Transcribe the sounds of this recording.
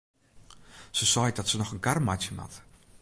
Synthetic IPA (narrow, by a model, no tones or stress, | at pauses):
səsɔjdɔtsənɔxənkarmatjəma̰t